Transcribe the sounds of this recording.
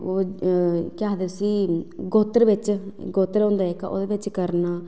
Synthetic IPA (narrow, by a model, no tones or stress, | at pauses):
oː | kɪaːd̪eːsiːɡoːt̪ɾʋɪt͡ʃɡoːt̪ɾõːnd̪aːɛːka̰ʔo̰ːd̪eːʋɪt͡ʃkəɾnaː